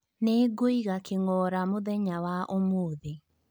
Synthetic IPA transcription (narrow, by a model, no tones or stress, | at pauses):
neɡoiɣakeŋɔːɾamoðɛɲawaʔomoːðe